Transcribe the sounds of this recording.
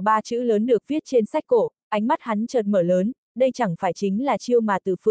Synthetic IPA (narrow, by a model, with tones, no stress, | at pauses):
ɓaː˧t͡ɕɨ̰˧˥ləː˨˦nɗɨ˨˩ək̚vi˦˥ət̚t͡ɕe˧nsa˦˥jk̟̚ko˧˩ʔa˨˦jŋ̟ma˦˥t̚ha˨˦nt͡ɕəː˨˩t̚məː˧˩ləː˨˦n | ɗə˧jt͡ɕa˧˩ŋfaː˧˩jt͡ɕï˨˦ŋ̟laː˨˩t͡ɕi˧əwmaː˨˩t̪ɨ̰˧˨˩fɨ˧˩